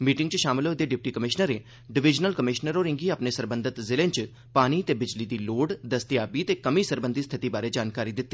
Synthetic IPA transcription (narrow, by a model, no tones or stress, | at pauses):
miːʈɪŋɡt͡ʃəʃaːmɪloːd̪eːɖɪp̚ʈiːkəmɪʃnəɾeː | ɖɪʋɪd͡ʒnəlkəmɪʃnəɾoːɾɪŋɡiːaːpneːsəɾbənd̪ət̪zɪlẽːɲt͡ʃ | paːñiːt̪eːbɪd͡ʒliːd̪iːloːɖd̪əst̪ɪjaːbiːt̪eːkəmiːsəɾbənd̪iːst̪ʰɪt̪iːbaːɾeːd͡ʒaːnkaːɾiːd̪ɪt̪ːiː